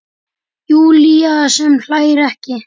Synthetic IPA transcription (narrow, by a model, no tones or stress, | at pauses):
juːliasɛml̥aːjɾɛhcɪ